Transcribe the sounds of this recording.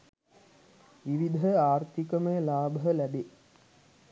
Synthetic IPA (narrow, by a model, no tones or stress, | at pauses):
ʋiʋid̪ʱəaːrt̪ikəməjəlaːbəɦəlæbe